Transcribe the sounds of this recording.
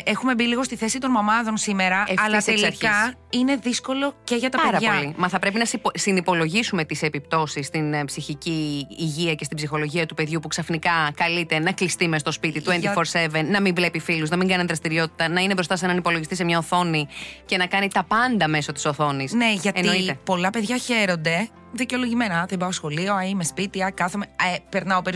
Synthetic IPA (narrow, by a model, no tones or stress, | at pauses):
exume̞biliɣo̞st̪iθe̞sit̪o̞nmɐmɐðo̞nsime̞ɾɐeɐlselsɐɾçkɐine̞ðisko̞lo̞ce̞ʝɐt̪ɐpɐɾɐʝɐolimɐθɐpɾe̞p̬inɐssinipo̞lo̞ʝisume̞t̪ise̞pip̚t̪o̞sisːt̪inpsiçiciːʝiɐcest̪ibsixo̞lo̞ʝiɐt̪upe̞ðʝupuksɐfnikɐkɐlit̪e̞nɐklist̪imest̪ospit̪it̪uenfoɾse̞venːɐmiɱvle̞pifiluznɐmiŋɡɐneðɾɐst̪iɾio̞t̪i̥t̪ɐnɐinebɾost̪ɐsenɐnipo̞loʝist̪isemɲɐoθo̞nice̞nɐkɐnit̪ɐpɐnd̪ɐme̞so̞t̪i̥so̞θo̞nisne̞ʝɐtenoit̪epo̞lɐpe̞ðʝɐçe̞ɾo̞nd̪e̞ | ðiceo̞lo̞ʝime̞nɐðebɐosxo̞lio̞ɐimespit̪iɐkɐθemeepeɾnɐopeɾi